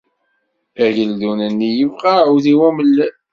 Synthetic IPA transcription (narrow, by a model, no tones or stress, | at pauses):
æʝəldunənːijəvqɑwðiwæməlːæ